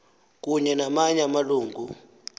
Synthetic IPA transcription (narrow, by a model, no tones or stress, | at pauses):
k̬uɲɛnamaɲamaluːŋɡʱu